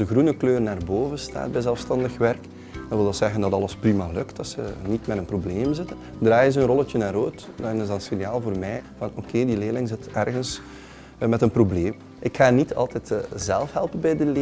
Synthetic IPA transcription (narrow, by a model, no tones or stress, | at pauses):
əɣɾunəkløːrnaːrboːvənsta̰ːd̚bɛjzɛlˠfstɑndəxʋɛrk | dɑnʋɪlˠəsɛɣəndɑtɑləsprimalɵktɑsənitmɛdənprobleːmzɪtən | draːjənzəənrɔlˠətjənaːɾoːt | dɑnɪzdɑsenjaːlˠvoːrmɛːjvɑnokʰeːdileːlɪŋzɪtɛrɣəns | mɛtənprobleːm | ʔɪkxaːnitʰɑ̰lˠtɛtːzɛlˠfɦɛlˠpənbɛjdəlː